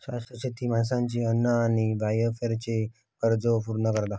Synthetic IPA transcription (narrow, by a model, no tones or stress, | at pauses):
ɕast̪ɾəɕet̪ʰiːmansãɲt͡ɕiənːəañibajəfeɾt͡ɕe | kəɾd͡zopuɾnəkəɾd̪a